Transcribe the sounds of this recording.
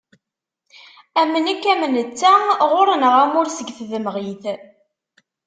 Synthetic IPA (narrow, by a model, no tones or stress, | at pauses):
æmːənækːæmənət͡sːæʁʊɾənəʁæmʊɾsəɡθðəmʁiθ